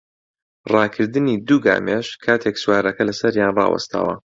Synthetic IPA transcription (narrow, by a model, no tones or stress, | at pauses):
rɑːkʰɨɾd̪ɨnid̪uːɡa̰ːmeʃkʰaːt̪ʰeksuwaːɾɐkɐlɐsɐɾjaːnrɑ̰ːwɐ̰st̪a̰ːwɐ̰